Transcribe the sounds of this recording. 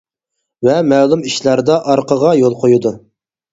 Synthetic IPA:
vɛmɛlˠumiʃlɑɾd̪ɑʔɑɾqəʁɑjolˠqʰojud̪u

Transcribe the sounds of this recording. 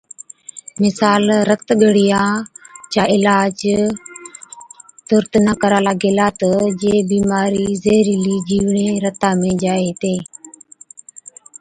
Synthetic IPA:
mɪsaːlɾət̪ɠəɽ̤ɪjãːt͡ʃaːʔɪlaːd͡ʒ | t̪ʊɾt̪nəkəɾaːlaːɡeːlaːt̪əd͡ʒeːbiːmaːɾiːzeːɾiːliːd͡ʒiːʋɳeːɾət̪ãːmẽːd͡ʒaːeːt̪eː

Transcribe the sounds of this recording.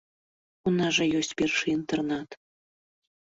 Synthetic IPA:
unaʐɐjɔsʲt͡sʲpʲɛrʂɨint̪ɛrnat̪

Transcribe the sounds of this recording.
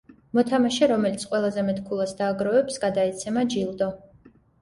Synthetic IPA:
mɔt̪ʰamaʃɛɾɔmɛlit̪sʰqʼwɛlˠazɛmɛt̪ʰkʰulˠasd̪aːɡɾɔvɛpsɡad̪aɛt̪sʰɛmad͡ʒilˠd̪ɔ

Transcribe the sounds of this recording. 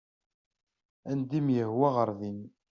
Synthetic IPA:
ænd̪imjəhwæʁəɾˤðin

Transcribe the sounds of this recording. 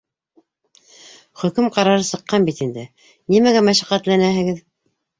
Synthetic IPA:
χɵ̆kɘmqɑɾɑɾɤsɤ̆qːɑnbit̪ind̪ɘ | nimæɡæmæʃæqæt̪lænæɦɘ̆ɡɘð

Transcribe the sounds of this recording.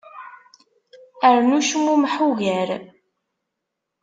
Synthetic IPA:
əɾnuʃmːumħuʝəɾ

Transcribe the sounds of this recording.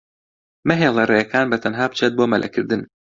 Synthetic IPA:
mɐɦeːlˠerejɐkʰaːnbɐt̪ʰɐnɦaːp̚t͡ʃʰet̪̚boːmɐlʔɐ̰kʰɨɾd̪ɨn

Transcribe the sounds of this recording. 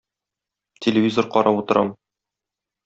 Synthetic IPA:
tʲʰelʲɪvʲizoɾqɒɾɑput̪ɤ̆ɾʔɑm

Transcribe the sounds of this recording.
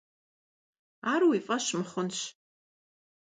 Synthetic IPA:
arwifʼɐʃmχʊnʃ

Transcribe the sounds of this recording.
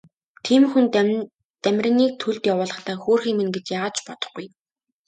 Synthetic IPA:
t̪ʰiːmxun | t̪æmʲr̆ʲniːk̚t̪ʰuɮt̪jawʊːɮə̆χt̪ʰaːxoːrxiːmɘ̆nɡet͡ɕjaːaːt͡ɕpɔt̪ɞ̥̆χɡuj

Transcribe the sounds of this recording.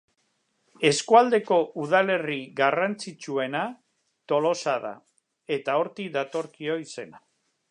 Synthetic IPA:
e̞skuald̪e̞ko̞ʔuð̞ale̞riɣarant͡sit͡ʃue̞na | t̪o̞lo̞saða̰ | e̞t̪ao̞ɾt̪iðat̪o̞ɾkio̞ise̞na

